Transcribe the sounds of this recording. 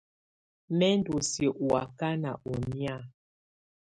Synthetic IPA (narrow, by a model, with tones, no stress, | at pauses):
mɛ˦n˦du˨se˨ʔwa˨ka˦na̰˨ʔo˨mi˦a˦˨